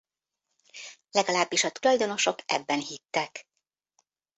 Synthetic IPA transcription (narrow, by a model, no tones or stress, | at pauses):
lɛɡɒlaːbːiʃɒt̪ulɒjd̪o̞no̞ʃo̞kɛ̰bːɛnhit̪ːɛk